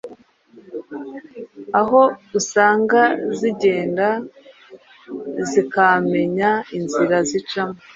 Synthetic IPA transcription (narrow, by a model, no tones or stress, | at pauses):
aɦo̞usaːŋɡaziɟe̞ːnda | zikame̞ɲainziɾazit͡ʃama